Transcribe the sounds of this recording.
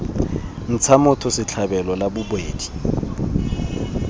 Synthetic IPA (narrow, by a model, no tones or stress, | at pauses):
n̩t͡sʰamʊtʰʊsɪt͡ɬʰabɛlɔlabʊbweːdi̥